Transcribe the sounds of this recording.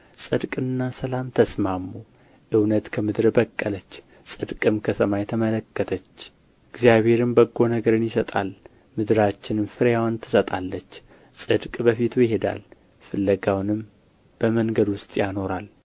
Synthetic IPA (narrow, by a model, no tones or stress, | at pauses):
sʼɨd̪kʼɨnːasəlamt̪ʰəsmamːu | ʔɨwnət̪kʰəmɨd̪ɾbəkʼːələt͡ʃː | sʼɨd̪kʼɨmkʰəsəmajɛt̪ʰəmələkːət̪ʰət͡ʃː | ɪɡzijaβhe̞ɾɨmbəɡːo̞nəɡəɾɨnjɪsət̪ʼa̰l | mɨd̪ɨɾat͡ʃːɪnɨmfɨɾjawnt̪ʰɨ̥sət̪ʼalːət͡ʃː | sʼɨd̪kʼbəfit̪ʰujɪɦe̞d̪a̰l | fɨlːəɡawnɨm | b̥əməŋɡəd̪wʊst̪ʼjano̞ɾal